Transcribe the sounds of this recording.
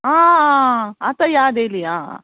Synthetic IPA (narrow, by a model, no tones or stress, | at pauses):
aː | at̪ɐjaːd̪eːlija̰